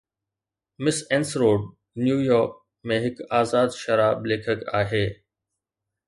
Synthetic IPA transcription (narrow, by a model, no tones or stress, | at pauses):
mɪsɛ̃ːnsɾoːɖ | njuːjɔːɾk̚ | mẽɦɪkaːzaːd̪ʃɐɾaːbleːkʰəka̰ːɦeː